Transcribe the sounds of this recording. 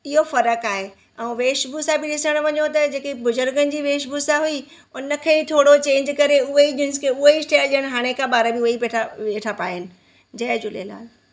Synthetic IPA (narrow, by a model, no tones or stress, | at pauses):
ɪɦofɐɾəkaːɦe | ɛ̃ːʋeːʃbʱusabɪɗɪsəɽ̃ʋɐɲot̪ɐd͡ʑeːkibʊzʊɾɡənɪ̆d͡ʑiːʋeːʃbuːsaɦui | ʊnə̆kʰeːbit̪ʰoːɽot͡ɕẽːɲd͡ʑkɐɾeʊɦeid͡ʑɪ̃nskʰeʊɦeisʈeːlləɽ̃̆ɦaːɽ̃ekʰãɓaːɾəbɪʊeipeːʈʰaʋeːʈʰapaːɦɪnɪ̆ | d͡ʑɐɦd͡ʑʊlḛla̰ːl